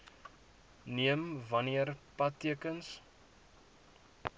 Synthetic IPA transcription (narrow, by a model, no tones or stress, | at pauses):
niəmvɐniərpɐtːiəkəns